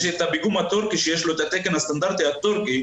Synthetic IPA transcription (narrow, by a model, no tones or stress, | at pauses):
ʃet̪abiɡumat̪oɾkiʃieʃlot̪at̪ekenast̪and̪aɾt̪eat̪oɾke